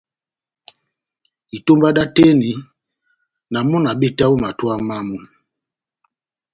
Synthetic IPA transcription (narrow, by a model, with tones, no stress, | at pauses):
i˨to˦mba˦da˦te˦ni˨ | na˨mɔ˦na˨be˦˨ta˦u˦ma˨twa˦ma˦mu˨